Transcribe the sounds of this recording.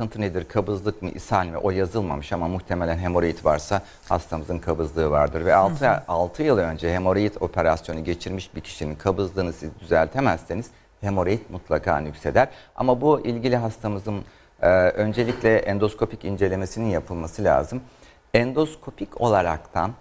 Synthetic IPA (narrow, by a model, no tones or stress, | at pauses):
k̪ɯnt̪ʰɯned̪iɾkʰabɯzlˠɯkmɯʔḭsanʲvɛ̰ʔo̞jazɯlˠma̰mɯʃamamuxt̪ʰe̞melʲænɦe̞mo̞ɾojit̪vaɾsa | ha̰st̪ʰamɯzɯnkʰabɯzlˠɯːvaɾd̪ɯɾvɛalˠt̪ʰalˠt̪ʰɯjɯlˠaø̞nd͡ʒɛɦe̞mo̞ɾijit̪ʰo̞pʰe̞ɾasjo̞nuɟe̞t͡ʃʰiɾmiʃbicʰi̥ʃininkʰabɯzlˠɯːnɯsizd̪yzælʲt̪ʰe̞mæsːeniz̥ | he̞mo̞ɾejit̪̚mut̪ʰlˠakʰa̰ːnycʲse̞d̪æɾ̥a̰mabuilʲɟilʲiɦast̪ʰamɯzɯnː | ʔø̞nd͡ʒe̞lʲiclʲɛʔɛnd̪o̞skʰo̞picind͡ʒe̞lʲe̞me̞sininjapʰɯlˠmasɯlʲa̰ːzɯm | ɛnd̪o̞skʰo̞pʰico̞̰lˠaɾakt̪ʰan